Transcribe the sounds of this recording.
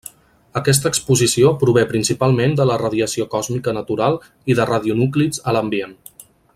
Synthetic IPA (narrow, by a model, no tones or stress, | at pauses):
əkɛs̬t̪əːkspuzisiopɾuβ̞epɾinsipalˠmend̪ələrəðiəsiokɔzmikənət̪uɾalˠ | iðərəðiunuklizələmbien